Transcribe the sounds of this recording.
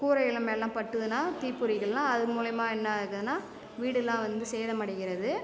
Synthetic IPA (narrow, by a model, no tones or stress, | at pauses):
kuːɾɐjɪlɐmelːãːpɐʈːɯðɯnaːt̪iːpːɯɾɪɣɐɭlãːɐðɯmuːlɐjɐmaːɛnːɐɯɣɯɯnːaː | ʋiːɽɯlːãːʋɐnd̪ɯsɛːjðɐmɐɽɐɣɪɾɐðɯ